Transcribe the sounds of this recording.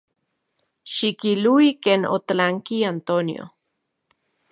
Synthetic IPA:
ʃikiluikeːno̰t̪alaŋkiant̪onḭo̰

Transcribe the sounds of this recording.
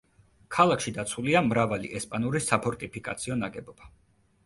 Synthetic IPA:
kʰalˠakʰʃid̪at̪sʰuliamɾavalḭʔɛspʼanuɾisapʰɔɾt̪ʼipʰikʼa̰t̪sʰiɔnaɡɛbɔb̥a

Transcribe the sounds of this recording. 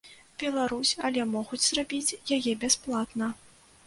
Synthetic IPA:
b̥ʲɛlˠaɾusʲɐlʲɛmɔɣud͡zʲzrabʲit͡sʲjajɛbʲɛsplˠat̪nɐ

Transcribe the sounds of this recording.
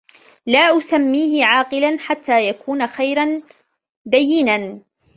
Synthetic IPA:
laːʔʊsamːiːhɪʕaːqɪlanħat̪ːaːjakuːnaxajɾan | d̪ajːɪnan

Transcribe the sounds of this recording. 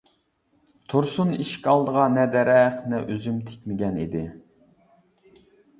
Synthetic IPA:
t̪ʰuɾsuniʃkʲɑlˠd̪əʁɑnɛd̪ɛɾɛχnɛʔøzymt̪ʰe̥kʲmɪɡʲɛnḭd̪ɪ

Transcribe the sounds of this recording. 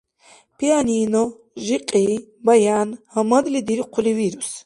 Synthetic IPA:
pʰianiːnɔ | ʒiqʼibajaːnhɐmɐd̪lid̪iɾiqʰʊliviɾus

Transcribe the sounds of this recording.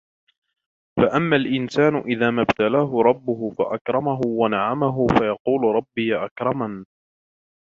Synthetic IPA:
faʔamːaːlʔɪnsaːnʊʔɪðaːmabt̪alaːɦʊɾˤɑbːʊɦʊfa̰ʔakɾˤɑmaɦʊwanaʕamaɦʊfajɑquːlʊɾˤɑbːɪjaʔakɾˤɑman

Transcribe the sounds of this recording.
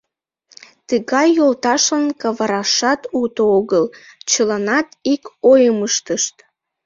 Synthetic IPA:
t̪əɣɑjːolt̪ɑʃənkɑβɑɾɑʃɑt̪ut̪ooɣəlt͡ɕəlɑnɑt̪ikojəməʃt̪əʃt̪

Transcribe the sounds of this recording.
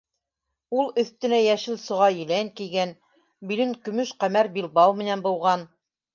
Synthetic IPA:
ulˠɵ̆θt̪ɘ̆næjæʃɘlsŏʁɑjɘ̆læŋkiɡæn | bilɘŋkɵ̆mɵʃqæmæɾbilˠbɑwmɘ̆nænbŭlˠʁɑn

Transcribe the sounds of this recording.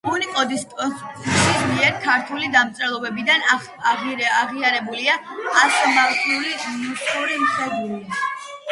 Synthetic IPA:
munikʼɔd̪ispʼʃʰismiɛɾkʰaɾt̪ʰulid̪amt̪sʼɾɛlˠɔbɛbid̪an | aʁiaɾɛbuliaast̪ʼɔmalˠt̪ʰʼiulimusikʼuɾimχɛd̪uɾi

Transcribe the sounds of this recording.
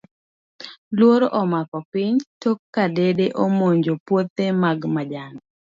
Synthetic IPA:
lwoɾoʔɔmakɔpɪɲtokːadedeʔomoɲd͡ʒopwot̪emaɡmad͡ʒan

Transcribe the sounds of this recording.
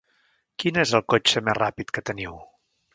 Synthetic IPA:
kinezəlˠkot͡ʃəmezrapit̪kət̪əniw

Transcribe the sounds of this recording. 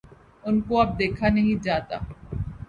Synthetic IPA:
ʊnkoɐb̚d̪eːkʰanɐɦĩd͡ʒaːt̪a̰ː

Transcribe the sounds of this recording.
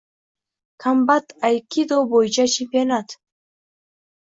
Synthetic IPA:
kʰambat̪ajkid̪obojd͡ʒat͡ʃʰipenat̪

